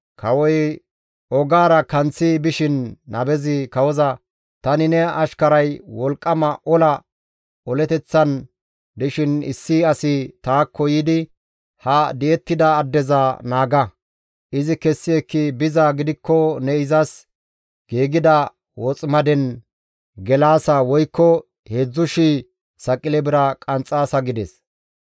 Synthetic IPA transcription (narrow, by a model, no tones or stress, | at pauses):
kʰɐwɔj | ʔɔɡaːɾɐkɐnt͡sːɪbɪʃɪnːɐ̰bɛzɪkɐwɔzɐ | t̪ɐnɪnɛɐʃkɐɾɐjwɔlkʼːɐmɐʔɔlɐ | ɔlɛt̪ɛt͡sːɐn | d̪ɛʃɪnɪ̰sːɪɐsɪt̪aːkʰːɔjɪd̪ɪ | hɐd̪ɛɛt̪ːɪd̪ɐːd̪ːɛzɐnaːɡɐ | ʔɪzɪkɛsːɪɛkːɪbɪzaɡɪd̪ɪkːɔnɛɪzɐs | ɡ̥eːɡɪd̪ɐ | wɔt͡sʼmɐd̪ɛn | ɡɛlaːsɐwɔjkːɔ | heːd͡zːʊʃi | sɐkʼɪlɛbɪɾɐkʼɐnt͡sʼaːsɐɡɪd̪ɛs